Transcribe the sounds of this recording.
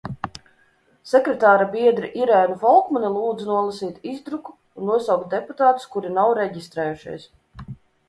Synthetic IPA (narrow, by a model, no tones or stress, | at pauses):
sɛkɾɛt̪aːɾabiɛd̪ɾiʔiɾɛːnufɔlˠkmunilˠuːd̪zɨnuɔlˠasiːt̪izd̪ɾuku̥ːnːuɔsawkt̪̚d̪eput̪aːt̪u̥skuɾinawɾɛɟist̪ɾɛːjuʃḭjs